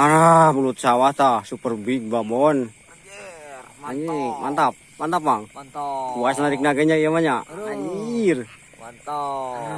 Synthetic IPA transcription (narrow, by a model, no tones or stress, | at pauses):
aamulut̪̚sawat̪asupərbiɡ̚babɔn | iɲimʔant̪ap̚mant̪ap̚maŋ | buasnaɾik̚naɡaɲaijamaɲair